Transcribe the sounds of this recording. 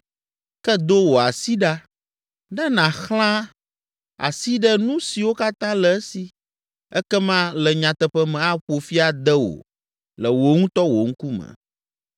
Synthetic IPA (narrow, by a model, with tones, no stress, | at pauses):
kɛ˦d̪o˦wo˨a˨si˦ɖa˦ | ɖɛ˦nã˨xl̃ã˦ | a̰˨si˦ɖɛ˦nũ˦si˨wo˦ka˦t̪ã˦lɛ˨ɛ˦si˨ | ɛ˦kɛ˦mã˦lɛ˨ɲã˨t̪ɛ˨ɸɛ˦mɛ̃˨a˦ɸo˨fi˦a˨d̪ɛ˦wo̰˨ | lə˨wo˨ŋũ˦t̪ɔ˦wo˨ŋ̩˦ku˦mə̰̃˨